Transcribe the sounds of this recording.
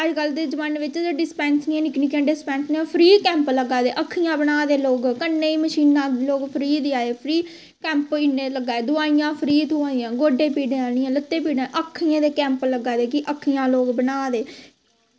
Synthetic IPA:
əɾkəld̪eːd͡ʒəʋaːnʋɪt͡ʃɖɪspɛ̃ːnsiãːnɪkniːkãːɖɪspɛ̃ːnsneaːpʰɾiːkɛ̃ːmpləɡaːd̪ḛːʔəkʰːijãːbənaːd̪eːloːɡkənːeːiːməʃiːnːãːloːɡpʰəɾiːd̪iaːeːpʰɾiː | kɛ̃ːmpɪnːeːləɡaːeːd̪ʊaːijãːpʰɾiːt̪ʰuãːiːãːɡoːɖeːpiːɖẽːanɪːãːlət̪ːeːp̬iːɖãʔəkʰːijãːd̪eːkɛ̃ːmpləɡaːd̪eːkɪʔəkʰːijãːloːɡbənaːd̪eː

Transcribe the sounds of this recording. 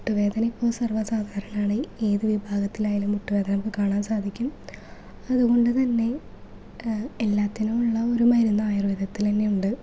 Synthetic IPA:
muʈːuʋe̞ːd̪ʱɐnɐipːo̞ːɭsɐrʋɐsaːd̪ʱaːɾɐnaːɳɨeːðɨʋibʱaːɡɐt̪ːilaːjaːlumːuʈːuʋe̞ːd̪ʱɐnɐmkːɨkaːɳaːmsaːd̪ʱikʲːum | ɐðuɣo̞ɳɖɨt̪ɐnːe̞ | elːaːt̪ːinumuɭːɐo̞ɾumɐjɾunːɐaːjɐrʋid̪ʱɐt̪ːilenːejuɳɖɨ

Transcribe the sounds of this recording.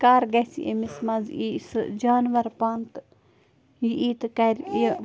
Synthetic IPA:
kaːɾɡɐsḭʔḛmismɐziːsɨd͡ʒaːnʋɐɾpaːnt̪ | jiʔiːt̪kɐɾ

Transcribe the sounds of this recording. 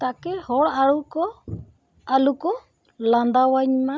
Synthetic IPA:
t̪akehɔɽaɺuko | aluko | land̪awaɲmã

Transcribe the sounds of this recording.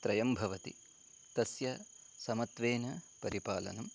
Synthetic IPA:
t̪ɾɐjɐmbʱɐʋɐt̪ḭ | t̪ɐsjɐ | sɐmɐt̪ʋeːnɐpɐɾipaːlɐ̰nɐm

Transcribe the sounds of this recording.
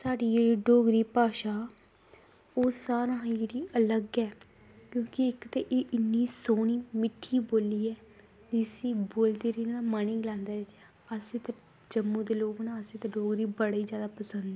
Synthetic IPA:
saːɖiːd͡ʒeːɽiːɖoːɡɾiːpaːʃaː | oːsaːɾãːd͡ʒeːɽiːʔələɡɛː | kjõːkɪɪkt̪eːʔɪʔɪnːiːsoːniːmɪʈʰːiːboːliːɛː | d̪isĩːboːld̪eːɾiːnaːmaniːɡlãːnd̪aːɾɪt͡ʃɛ | əsẽːt̪e | d͡ʒəmːũːd̪eːloːknaːəsĩːt̪eɖoːɡɾiːbəɽiːzjaːd̪aːpəsənd̪ɛː

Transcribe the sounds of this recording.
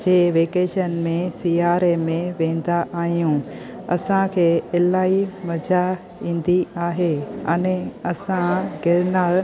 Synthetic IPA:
d͡ʑeːʋeːkeːʃənmẽsiːaːɾemẽʋẽːn̆d̪aʔaːɦijũ | ɐsãkʰeːɪlaːimɐd͡ʑa | ĩːn̆d̪iaːɦeɐnɛ̃ɐsãɡɪɾnaːɾ

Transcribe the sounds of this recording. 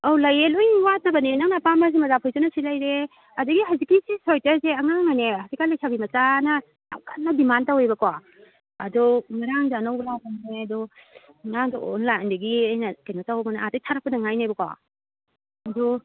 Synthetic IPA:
owlɐjelojwatɐbɐnenaŋnapamas̬imɐzapʰɔjzɔnɐsilajɾe | ɐduɡiɦazikisisɔjtɐzeɐŋaŋaneazikalajsʰabimɐzanɐ | na̰wkanːadimantawejbɐkwa | ɐdɔŋaɾaŋzanawbɐlawbamaneɐdɔ | ŋaŋdɔʔo̰nlandɐɡiajnɐkajnotawbɐnaatajtʰaɾɐk̚pɐnɐŋajnajbɐkwa̰ | ɐdɔ

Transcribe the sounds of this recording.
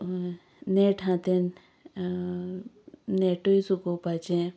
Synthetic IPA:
neʈʰãt̪en | neʈoisukopat͡ʃẽ

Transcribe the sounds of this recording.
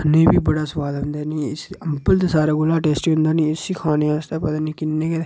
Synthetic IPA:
nẽːbiːbəɽaːsʊʋaːd̪ʊ̃nd̪aːnĩːɪsəmpəld̪esaːɾaːɡʊlaːʈeːsʈiɦʊ̃nd̪aːnĩːɪsiːkʰaːneːaːst̪eːpət̪aːnĩːkɪnːẽːkɛd̪e

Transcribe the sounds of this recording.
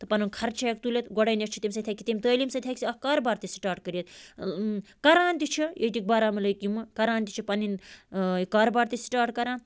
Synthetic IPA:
t̪ɨpɐnunkʰɐɾt͡ʃʰek̚t̪ulʲet̪ɡɔɽɐjneʈt͡ʃʰit̪imʲsɐt̪ʰʲakʲːit̪imʲt̪əːlimsɐt̪ʰʲakʲisiɐkaːɾbaːɾt̪isʈaːɾʈ̚kəɾjit̪̚ | kɐɾaːnt̪it͡ʃʰijet̪ik̚bɐɾaːmilɐjkjimɨkɐɾaːnt̪ʲit͡ʃʰipɐninikaːɾbaːɾt̪isʈaːɾʈkɐɾaːn

